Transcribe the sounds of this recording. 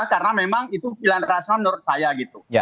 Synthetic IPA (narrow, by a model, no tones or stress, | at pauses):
karənamemaŋit̪upilanrasnamənuɾʊt̪̚sajaɡit̪uj